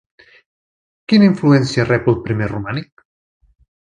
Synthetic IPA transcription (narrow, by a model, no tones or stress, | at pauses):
kinaiɱfluɛnsiarɛpolˠpɾimerumanik̚